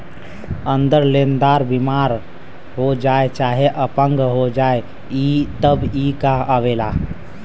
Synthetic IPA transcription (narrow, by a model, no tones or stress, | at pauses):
ənd̪əɾlend̪aɾbimaɾ | ɦod͡ʒaet͡ʃaɦeʔəpə̃ŋɡɦod͡ʒae | it̪əbikaəbela